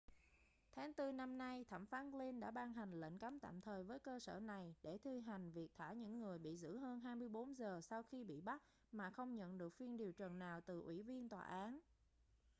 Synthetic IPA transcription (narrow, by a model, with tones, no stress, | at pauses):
t̪ʰaː˨˦ŋt̪ɨ˧na˧mna˧jt̪ʰa˧˩mfaː˨˦nli˧nɗa̰ː˧˥ɓaː˧nɦa˨˩jŋ̟lə̰˧˥˨ŋ̟ka˨˦mt̪a̰ː˧˨mt̪ʰəː˨˩jvəː˨˦jkəː˧sə̰ː˧˩na˨˩jɗe˧˩t̪ʰi˧ɦa˨˩jŋ̟vi˨˩ək̚t̪ʰaː˧˩ɲɨ̰˧˥ŋːɨ˨˩əjɓḭ˧˨zɨ̰˧˥ɦəː˧nɦaː˧jmɨ˧əjɓo˨˦nzəː˨˩sa˧wxi˧ɓḭ˧˨ɓa˦˥t̚ | maː˨˩xə˧wŋ͡mɲə̰˧˨nɗɨ˨˩ək̚fi˧ənɗi˨˩əwt͡ɕə˨˩nːaː˨˩wt̪ɨ˨˩ʔwi˧˩vi˧ənt̪wa̰ː˨˩ʔaː˨˦n